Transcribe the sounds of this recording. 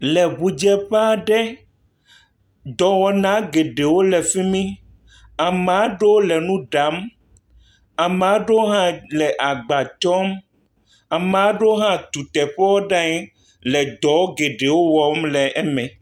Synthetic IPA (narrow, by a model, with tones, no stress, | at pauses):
lɛ˨βu˨d͡ʒɛ˦ɸa˦ɖɛ˦ | d̪ɔ˨wɔ˨nã˦ɡe˨ɖe˨wo˦lɛ˨fi˦mĩ˦ | a˨me˨a˦ɖe˦wo˦lɛ˨nũ˦ɖa˨˦m | a˨me˨a˦ɖe˦o˦ɦã˦lɛ˨ʔa˨ɡ͡ba˨t͡ʃɔ˦m | a˨m˨a˦ɖe˦wo˦ɦã˦t̪u˨t̪ɛ˨ɸɛ˦wɔ˦ɖã˦ɲɛ˦ | lɛ˨d̪ɔ˨˦o˦ɡe˨ɖe˨wo˦wɔ˨˦mlɛ˨ʔɛ˦mɛ̃˨